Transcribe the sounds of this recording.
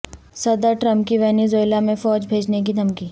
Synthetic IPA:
sɐd̪əɾʈɾɐ̃mpkiʋɛːnezoːɪlamẽfɔːd͡ʒbʱeːd͡ʒnek̬id̪ʱɐmkiː

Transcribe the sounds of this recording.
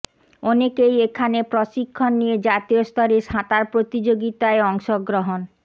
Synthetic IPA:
ɔnekejekʰanepɾoʃikʰːonːijed͡ʑat̪iost̪ɔɾeʃãt̪aɾpɾot̪id͡ʑoɡit̪aeɔŋʃoɡɾoɦon

